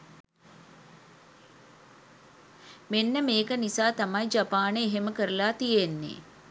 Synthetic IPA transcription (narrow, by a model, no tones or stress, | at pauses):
menːəmeːkənisaːt̪amajd͡ʒapaːneːɦeməkəɾəlaːt̪ijenːḛː